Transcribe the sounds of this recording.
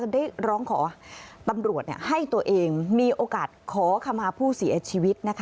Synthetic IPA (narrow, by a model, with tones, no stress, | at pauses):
daː˥˩jɾɔː˦˥ŋkʰɔ̰ː˩˦t̪a˧mɾu˨˩ət̪nḭ˧˩ha˥˩jt̪u˧ɐʔeː˧ŋmiː˧ʔoː˧kaː˨˩t̪̚kʰɔː˩˦kʰa˧mːaː˧pʰuː˥˩si˨˩˦t͡ɕʰiː˧wi˦˥t̪̚na˦˥kʰ